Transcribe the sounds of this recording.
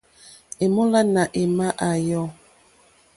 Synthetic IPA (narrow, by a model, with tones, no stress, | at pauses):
e˨mo˦la˦na˨ʔe˨ma˦ʔa˨jɔ˦